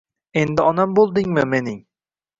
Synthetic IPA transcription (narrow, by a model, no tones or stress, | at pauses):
end̪ɪɒnambolˠd̪ɪŋmɪmenɪŋ